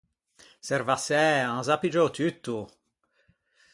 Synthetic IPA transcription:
sɛɾvasɛãzapid͡ʒot̪ʰyt̪ːu

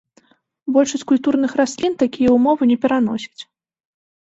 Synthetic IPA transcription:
bɔlʲʂɐsʲt͡sʲkulʲt̪urnɨxrasʲlʲint̪akʲijɛumɔvɨnʲɛpʲɛɾanɔsʲi̥t͡sʲ

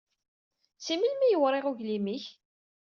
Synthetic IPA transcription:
similmæjəwɾˤɪʁuʝlimiç

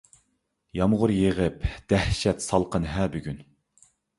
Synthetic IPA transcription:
jɑmʁʊɾjeʁəpd̪̥æhʃɛt̪sɑlˠqənɦæbyɡʲyn

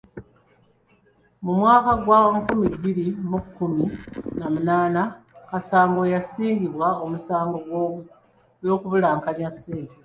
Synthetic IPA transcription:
mumwaːkaɡwaːwaŋkumibːiɾimukkːuminamunaːnakasaːŋɡo̞jasiːŋɡiβwaomusaːŋɡo̞ɡwoːku | jo̞ːkuβulaːŋkanjasːeːnte

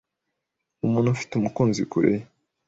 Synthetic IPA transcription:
umuːnufi̥tumukuːnzikuɾḛje

